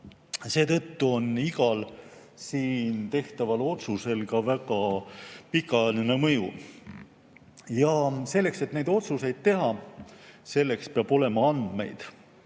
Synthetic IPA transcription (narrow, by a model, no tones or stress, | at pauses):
se̞ːt̪ɤ̞t̪ːuo̞niɡɑl | siːnt̪e̞ht̪ɑvɑlo̞t̪suse̞lkɑvæɡɑpikːˑɑnene̞mɤjṵ | jɑse̞lːe̞kse̞t̪ne̞jd̪̥o̞t̪suse̞jd̪̥̚t̪e̞ɦɑ | se̞lːe̞kspeɑb̥o̞le̞mɑɑnd̪̥me̞̰jd̪̥